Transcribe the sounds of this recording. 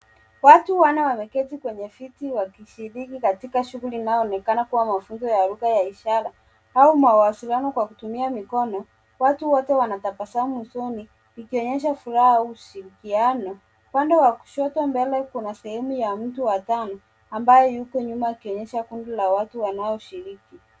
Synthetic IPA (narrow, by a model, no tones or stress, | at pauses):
watuwanawamɛkɛtikwɛɲɛfitiwakiʃiɾikikatikaʃuɣuliːnaɔnɛkanakuwamafunzɔjaɾuɣajaiʃaɾa | aumauwasilianɔkwakutumiamikɔnɔ | watuwɔtɛwanatapasamusɔniː | kiɔɲɛʃ̬afuɾahauuʃiɾikianɔ | upandɛwaku̥ʃɔtɔmbɛlɛkunasɛhɛmujam̩tuwatanɔ | ambajɔjukɔɲumaikiɔɲɛʃakundilawatuwanaɔʃiɾiki